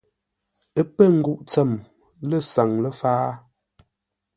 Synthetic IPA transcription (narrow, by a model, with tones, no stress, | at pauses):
ə˦pə˦˨ŋ̩˦ɡu˦˨ʔt͡sɛ˦˨m | lə˦˨sa˨ŋlə˦faː˦